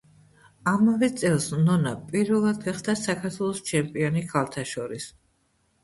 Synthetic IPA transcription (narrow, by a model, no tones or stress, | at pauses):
amavɛt̪sʼɛlˠsnɔnapʼiɾvɛlˠad̪̚ɡaχd̪asakʰaɾt̪ʰwɛlˠɔst͡ʃʰɛmpʼiɔnikʰalˠt̪ʰaʃɔɾis